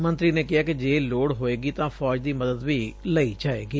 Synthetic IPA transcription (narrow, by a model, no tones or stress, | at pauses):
mə̃nt̪ɾiːneːkɪaːkɪd͡ʒeːloːɽɦoːeːɡiːt̪ãːpʰɔːd͡ʒd̪iːməd̪əd̪ʋiːləid͡ʒaːḛːɡiː